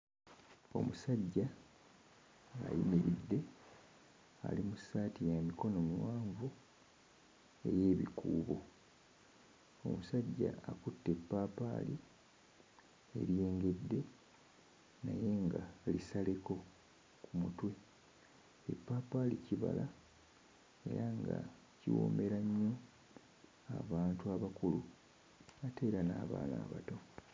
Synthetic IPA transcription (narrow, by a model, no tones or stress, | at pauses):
o̞̰musaɟːa | a̰jḭmiɾidːe̞ | a̰limusaːtijamiko̞no̞muwaːɱvu | e̞je̞ːβḭkuːβo̞ | o̞̰musaɟːa̰akutːe̞pːaːpa̰ːli | e̞̰ɾje̞ːŋɡe̞dːe̞ | naje̞ŋɡalisale̞ko̞ | kʰumutwe̞ | epːaːpalḭciβala | e̞̰ɾaŋɡa | ciwo̰me̞ɾaɲːo̞ | aβaːntuaβakulu | ate̞ːɾanaːβa̰ːna̰ːβato̞